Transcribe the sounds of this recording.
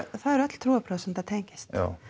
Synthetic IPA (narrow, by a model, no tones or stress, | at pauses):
θaðɛɾɛt̪l̥t̪ʰɾuːapʰɾœðsɛmθaðt̪ʰejɲcɪ̥st̪a̰